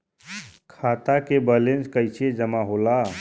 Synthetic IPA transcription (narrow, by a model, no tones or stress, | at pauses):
kʰat̪akebəlenskəjt͡ʃʰed͡ʒəmaɦola